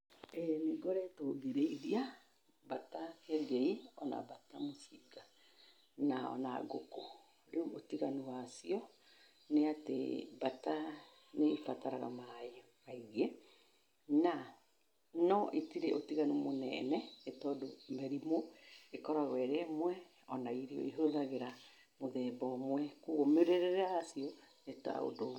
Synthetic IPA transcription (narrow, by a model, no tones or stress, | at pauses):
ɛniɡɔɾɛtoːðeɾeiðia | batakɛɡeiɔna̰batamosiɡa | naɔ̰na̰ɡoko | ɾeuotiɣanuwasiɔ | neatḛbata | nefataɾaɣa̰mae | maiɣɛ | na | nɔʔetiɾeʔotiɣanumonɛ̰nɛetɔdomɛɾimoekɔɾaɣɛɾemwɛ | ɔnaiɾiɔ̰iɦoðaɣeɾa | moðɛbɔmwɛkuɣomeɾeɾeɾasiɔneta̰o̰do